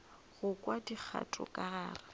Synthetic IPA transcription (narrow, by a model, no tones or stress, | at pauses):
ɣʊkʼwadik͡xʰa̰tʼʊ̰kʼaɣaːra